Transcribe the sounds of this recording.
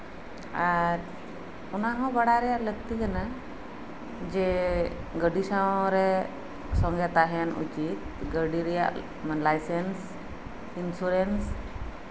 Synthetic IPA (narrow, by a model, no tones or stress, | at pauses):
aɾ | unaɦɔ̃baɽaɾɛjaʔləɡ̚t̪ikana | d͡ʒɛ | ɡəɖisawɾɛ | sɔ̃ŋɡɛt̪aɦɛanṵt͡ʃit̪̚ɡəɖiɾɛjaʔ | manlajsɛns | insuɾens